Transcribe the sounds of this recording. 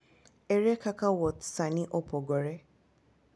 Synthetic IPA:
ɛɾɛkakawɔtsanĩʔɔpɔɡɔɾɛ

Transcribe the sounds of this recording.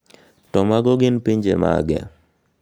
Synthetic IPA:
tɔmaɡɔɡɪnpiɲd͡ʒḛma̰ɡɛ̰

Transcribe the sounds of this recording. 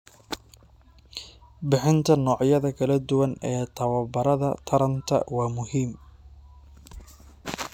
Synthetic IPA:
bɪħɪnt̪ʰɐnɔːʕjɐðɐkʰɐlɐd̪ʊwɐnɛːt̪ʰɐwɐbɐɾɐðɐ̰t̪ʰɐɾɐnt̪ʰɐ̰wɑːmʊhiːm

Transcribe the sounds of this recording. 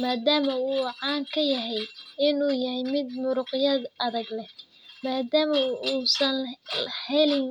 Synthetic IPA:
maːd̪aːmɐuːʕɑːŋkʰɐjɐɦɛjɪnuːjɐhɛjmɪd̪̚mʊɾʊqɪjɐd̪ɐðɐɡlɛ | maːd̪aːmɐuːsɐnhɛlɪn

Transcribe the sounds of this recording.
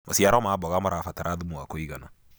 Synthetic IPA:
masijaɾɔmaːbɔɡamaɾafataɾadumuakoiɡana

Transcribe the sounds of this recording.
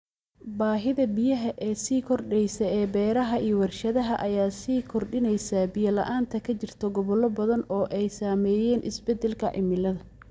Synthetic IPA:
baːɦɪðɐbɪjɐɦɐʔɛːsiːkʰɔrɖɛjsɐɛːbɛːɾɐɦɐʔiːɔwɐrʃɐðɐɦɐʔɐjaːsiːkʰɔrɖɪnɛjsaːbɪjɐlɐ̰ʔaːnt̪ʰɐkʰɐt͡ʃɪrt̪ʰɔɡɔβɔlɔbɐðɐnɔːʔɛjsaːmɛːjɛːnʔɪ̰sbɛd̪ɛlkʰɐʕɪ̰mɪlɐðɐ

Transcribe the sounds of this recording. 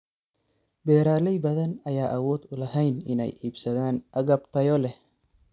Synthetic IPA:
bɛːɾaːlɛjbɐðɐnɐjaːʔɐwɔːd̪ʊlɐɦɛjnɪ̰nɛ̰jiːbsɐðaːnʔɐɣɐbt̪ɐjɔlɛ

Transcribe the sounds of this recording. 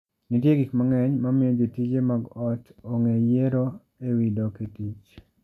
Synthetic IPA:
nitjeɡikmaŋɛɲmamɪod͡ʒitid͡ʒemaɡɔtoŋejeɾo | ewidoketit͡ʃ

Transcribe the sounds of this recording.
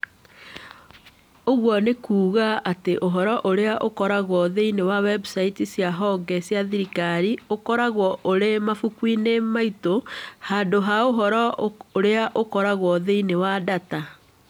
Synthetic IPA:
oɣwɔnekuːɣaʔateʔoɦɔɾɔʔoɾeaʔokɔɾaɣwɔðeinewawɛbusaitisjaɦɔɡɛsjaðiɾikaɾiokɔɾaɣwɔʔoɾemafukwinemaitohaːndoɦaoɦɔɾɔoɾeaʔokɔɾaɣwɔðeinewadata

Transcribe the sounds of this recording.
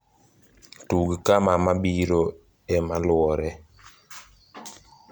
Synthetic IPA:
tuɡikamamabiɾo | ɛmalwɔɾɛ

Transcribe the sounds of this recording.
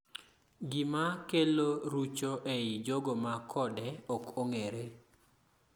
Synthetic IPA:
ɡimakeloɾut͡ʃoʔeɪd͡ʒoɡomakʰɔdɛɔkoŋeɾe

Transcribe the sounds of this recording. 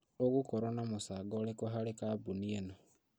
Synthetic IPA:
okukoɾanamusaːɡolekoɦalikabunieno

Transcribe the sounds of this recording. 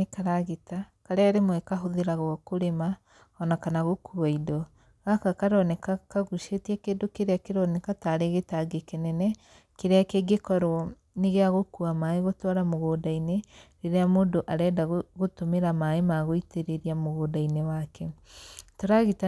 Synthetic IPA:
ekaɾaɣeta | kaɾeaɾemwɛkaɦoðeɾaɣɔkoɾema | ɔnakanaɣokuaidɔ | ɣakakaɾɔnɛkakaɣuʃetɛkeːdokeɾeakeɾɔnɛkataɾeɣetaɡekenɛnɛ | keɾeakeɡekɔɾɔ | neɣeaɣokuamaeɣotwaɾamoɣoːdaineɾeɾeamondoʔaɾɛːdaɣɣotomeɾamaemaɣoiteɾeɾiamoɣoːdainewakʰɛtoɾaɣita

